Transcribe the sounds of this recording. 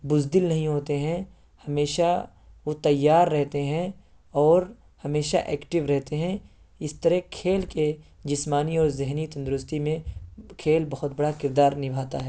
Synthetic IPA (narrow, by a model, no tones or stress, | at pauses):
bʊzd̪ɪlnɐɦĩɦoːt̪eɦɛ̃ | hɐmeːʃa | ʋot̪ɐjːaːɾːɛɦt̪eɦɛ̃ | ɔːɾ | hɐmeːʃa̰ʔɛːkʈɪʋɾɛɦt̪eɦɛ̃ | ɪst̪əɾɛkʰeːlke | d͡ʒɪsmaːniɔːɾzɪɦnit̪ɐ̃nd̪ʊɾʊst̪imẽkʰeːlbɐɦʊt̪̚bɐɽakɪɾd̪aːɾnɪbʱaːt̪aɦɛː